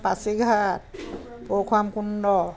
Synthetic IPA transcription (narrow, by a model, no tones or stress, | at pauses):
pasiɡʱat̚ | pɔkʰamkundɔ